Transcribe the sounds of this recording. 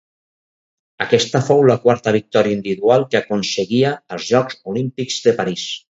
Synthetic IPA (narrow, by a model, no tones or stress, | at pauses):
əkɛst̪əfowləkwaɾt̪əβ̞ik̚t̪ɔɾiaind̪iβiðualˠkəkunsəɣiəːlˠzʒɔkzulimpikz̥ðəpaɾis